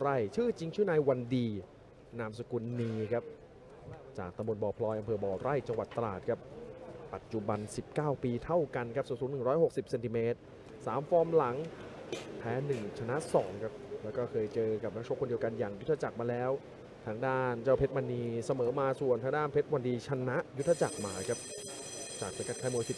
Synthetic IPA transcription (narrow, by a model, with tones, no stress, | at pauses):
ɾa˥˩jt͡ɕʰɯː˥˩t͡ɕi˧ŋt͡ɕʰɯː˥˩na˧jwa˧ndiː˧ | naː˧msa˧ku˧nːiː˧kʰa˦˥p̚ | t͡ɕaː˨˩k̚t̪a˧mbo˧nbɔː˨˩pʰlɔː˧jʔa˧mpʰɤː˧bɔː˨˩ɾa˥˩jt͡ɕa˧ŋwa˨˩t̪ːa˧laː˨˩t̪̚kʰa˦˥p̚pa˨˩t̪̚t͡ɕu˨ba˧nsi˨˩p̚kaː˥˩wpiː˧t̪ʰa˥˩wka˧nkʰa˦˥psu˨˩nsuː˩˦nːɯ˨˩ŋɾɔː˦˥jho˨˩k̚si˨˩p̚se˧nt̪i˧meː˦˥t̪̚ | saː˩˦mfɔː˧mla˩˦ŋ | pʰɛː˦˥nɯ˨˩ŋt͡ɕʰa˧na˦˥ʔsɔː˩˦ŋkʰa˦˥p̚lɛː˦˥wkɔː˥˩kʰɤː˧jt͡ɕɤː˧ka˨˩p̚na˦˥kt͡ɕʰo˥˩kʰːo˧ndi˧əwka˧njaː˨˩ŋjt̪ʰːa˧t͡ɕa˨˩k̚maː˧lɛː˦˥w | t̪ʰaː˧ŋdaː˥˩nt͡ɕaː˥˩wpʰe˦˥t̪ma˧nːiː˧sa˧mɤː˩˦maː˧su˨˩ənt̪ʰa˧˥ŋdaː˥˩npʰe˦˥t̪̚wa˧ndiː˧t͡ɕʰa˧na˦˥ʔju˦˥t̪ʰːa˧t͡ɕa˨˩k̚maː˧kʰa˦˥p̚ | t͡ɕaː˨˩k̚sa˧˩ka˦˥t̚kʰaː˧˥˩mu˧jsi˨˩